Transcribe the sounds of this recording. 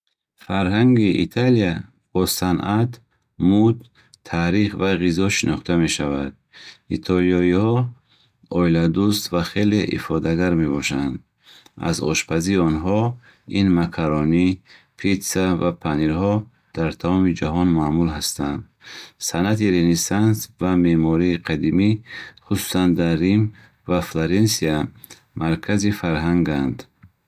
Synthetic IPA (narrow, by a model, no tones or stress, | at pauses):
faɾɦaŋɡiʔḭt̪ʰalia | b̥ɔsanʔat̪ | mud̪ | t̪ʰaɾiχvaʁizɔʃinɔχt̪ʰame̞ʃavad̪̥̚it̪ʰɔlijɔihɔ | ɔilad̪ust̪vaχe̞leʔḭfɔd̪aɡaɾme̞bɔʃand̪ | a̰zɔ̰ʃpʰaziːɔnɦɔ | inmakʰaɾɔni | pʰit̪savapʰaniɾhɔ | d̪̥aɾt̪ʰamɔmid͡ʒaɦɔnmaːmulɦast̪and̪ | sanat̪iɾenisansvame̞mɔɾiːqʰad̪imiχusu̥sand̪arːim | vafloɾensia | maɾkʰazifaɾɦaŋɡand̪